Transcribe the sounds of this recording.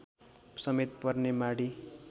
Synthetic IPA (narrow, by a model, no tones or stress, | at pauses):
sʌmet̪pʌrnemaɽi